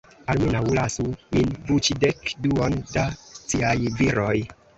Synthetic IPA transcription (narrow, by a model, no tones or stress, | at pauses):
almunawulasuminbut͡ʃidekduondasiajviɾoj